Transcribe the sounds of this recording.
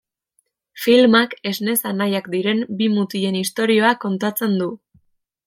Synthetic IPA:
filmake̞zne̞sanajakd̪iɾe̞mbimut̪ie̞nist̪o̞ɾio̞ako̞nt̪at͡se̞nd̪u

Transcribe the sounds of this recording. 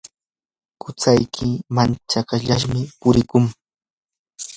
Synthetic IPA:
kʊt͡sajkʰɪmant͡ʃakaʎaʃmɪpʊɾɪkʊŋ

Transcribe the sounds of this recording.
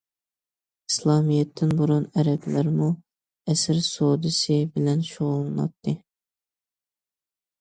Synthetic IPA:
i̥slˠɑːmijɛt̪ʰːɪnbuɾunɛɾɛplæɾmu | ɛsɪɾsod̪ɨsɨbɪlɛnʃoʁʊlˠɨnɑ̰t̪ʰːɨ

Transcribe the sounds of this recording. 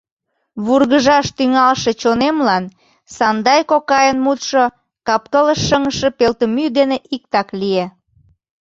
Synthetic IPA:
βurɣəʒɑʃt̪yŋɑlʃe̽t͡ɕonemlɑn | sɑnd̪ɑjkokɑjənmut̪ʃo | kɑp̚kələʃːəŋəʃepelt̪əmyd̪eneʔik̚t̪ɑklie

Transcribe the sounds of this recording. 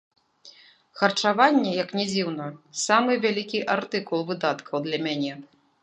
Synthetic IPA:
xɐrt͡ʂavanʲːɛjɐknʲɛd͡zʲiwnɐsamɨvʲalʲikʲiʔart̪ɨkulˠvɨd̪at̪kʰɐwd̪lʲɐmʲanʲɛ

